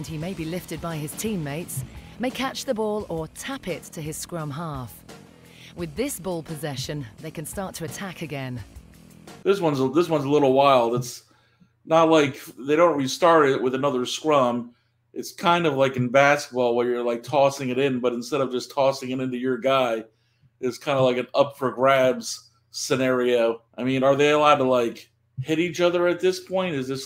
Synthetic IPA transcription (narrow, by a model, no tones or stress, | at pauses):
ɨ̃nimeɪbilɪftɨd̚baɪɨz̥tʰĩmːeɪtsmeɪkʰæt͡ʃðəbɔlˠətʰapɪtʰɨɪz̥skɹʌ̃mɦɑˑf | wɨðɪsb̥ʊlˠpʰəzɛʃɨ̃nðeɪkɨ̃nstɑɹtʰəɨtʰakɨɡɛ̃n | ðɪswʌ̃nzəðɪswʌ̃nzəlɪɾl̩ˠwaɪlˠdəts | nət̚ˡlaɪkðeɪɾõʊ̃nʔɹilstɑɹɾɪʔ̚wɨðɨnʌðə˞skɹʌ̃m | ʔɨtskʰãɪ̃ndʌvlaɪkɨ̃n̩bæskə̥ət̚b̥ɔlˠwə˞jə˞laɪk̚tʰɔsɪ̃ŋɨɾɪ̃nbʌɾɨn̩stɛɾʌvd͡ʒʌstʰɔsɪ̃ŋɨɾɪ̃ntʉjə˞ɡaɪ | ɨtskʰãɪ̃ndəvlaɪkɨ̃nʌpfʰə˞ɡɹæbz̥ | sɨnɛɹioʊʔaɪmĩnə˞ðeɪəlaʊd̚təlaɪk | hɪɾit͡ʃʌðə˞ɨt̪̚ðɪspʰɔ̃ɪ̃ntɨzðɪs